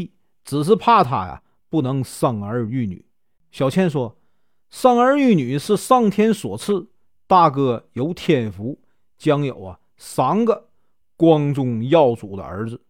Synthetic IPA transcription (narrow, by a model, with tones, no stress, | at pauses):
t͡sɹ̩˨˩ʂ̬ɻ̩˥˧pʰa˥˩t̪ʰa̰˥˩jɐ̰˨ | pu˥˩nɤ˧˥ŋsɑ˥˩ŋə˞˧˥y˥˩ny̰˨˩˦ | ɕjɑ˨˩ʊt͡ɕʰjɛ˥nʂwɔ˥ | sɑ˥˩ŋə˞˧˥y˥˩ny˨˩ʂɻ̩˥˧ʂɑ˥˩ŋt̪ʰjɛ˥nswɔ̰˨˩t͡sʰɹ̩˥˩ | t̪a˥˧kɤ˥jo˧˥ʊt̪ʰjɛ˥˩nfu˧˥ | t͡ɕjɑ˥ŋjo˨˩ʊɐ̰˦ | sa˧˥ŋɡə˧ | kwɑ˥ŋʈ͡ʂʊ˥˧ŋjɑ˥˩ʊt͡su˨˩d̪ə̰˦ə̰˞˧˥d͡zɹ̩˧